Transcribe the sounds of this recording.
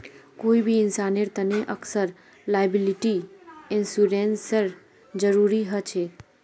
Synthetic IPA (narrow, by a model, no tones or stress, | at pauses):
koibʱiɪnsaneɾt̪əneʔəksəɾ | lajəbiliʈiɪnsuɾensəɾ | d͡ʒəɾuɾiɦət͡ʃʰe